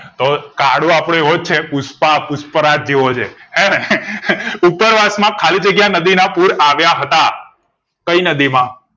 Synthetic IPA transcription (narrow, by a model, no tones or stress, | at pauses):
t̪okaɽũapɽ̃eɦod͡ʒ̚t͡ʃʰepuspapuspəɾad͡ʒeʋot͡ʃʰeɦɛ | upəɾʋasmãkʰalid͡ʒəɡjanəd̪inapuɽaʋjaɦət̪a | kəinəd̪imã